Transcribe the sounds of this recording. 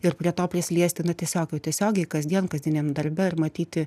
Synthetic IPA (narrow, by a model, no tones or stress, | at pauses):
ɪrpʲɾʲiɛt̪oːpʲɾʲɪsʲlʲiɛsʲt̪ʲɪnʊt̪ʲiɛsʲoːkjɛʊt̪ʲɛsʲoːɡʲɛɪkɐzʲd̪ʲiɛnkɐzd̪ʲɪnʲeːmd̪ɐɾʲbʲɛɪrmɐt̪ʲiːt̪ʲɪ